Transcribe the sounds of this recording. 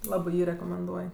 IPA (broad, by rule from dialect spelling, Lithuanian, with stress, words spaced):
ˈlˠɑːbɜ ˈjiː rʲɛkoːmʲɛnˈduɔj